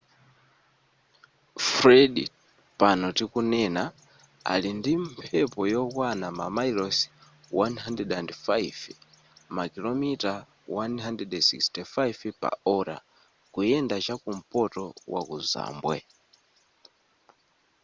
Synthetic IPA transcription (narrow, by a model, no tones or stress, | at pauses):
fɾɛɗḭ | panɔtikunɛna | a̰lindimpʰɛpɔjɔkwanamamailɔs | wanɦandɛdandfajv | makilɔmita | wanɦandɛdsḭkstɛfajvpa̰ɔɾa̰ | kujɛndat͡ʃakum̩pɔtɔwa̰kuza̰ːmbwɛ̰